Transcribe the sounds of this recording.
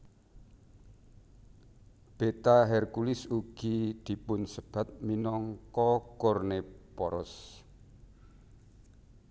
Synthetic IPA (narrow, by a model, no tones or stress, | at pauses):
b̥et̪aɦɛrkulɪsuɡ̥id̪̥i̤pʊnsəb̥a̤t̪̚minɔŋkɔkɔrnepɔɾɔ̰s